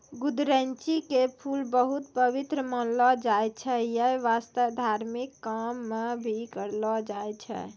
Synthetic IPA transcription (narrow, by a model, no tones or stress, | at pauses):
ɡud̪ɾənt͡ʃikepʰulbəɦut̪pəʋit̪ɾəməlɔd͡ʒajt͡ʃʰɛjəʋast̪əd̪ʱaɾmikːamːebʱikəɾlɔd͡ʒajt͡ʃʰɛ̰